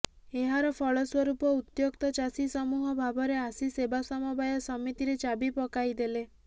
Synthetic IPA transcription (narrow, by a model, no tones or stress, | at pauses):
eɦaɾɔpʰɔɭɔswɔɾupɔut̪jokt̪ɔt͡ʃasisɔmuɦɔbʱabɔɾeasisebasɔmɔbajɔsɔmit̪iɾet͡ʃabipɔkajd̪ele